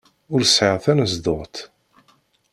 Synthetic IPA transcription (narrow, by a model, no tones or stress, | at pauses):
ʊɾsʕəʁθænəzd̪ʊʁt̪